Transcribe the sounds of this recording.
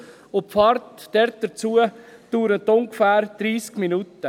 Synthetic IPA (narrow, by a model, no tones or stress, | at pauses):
ʊpfɑɾtd̥ɛɾt̚d̥əɾt͡suəd̥uːɾət̪ːʊŋɡfæːɾd̪̥ɾiːskminutə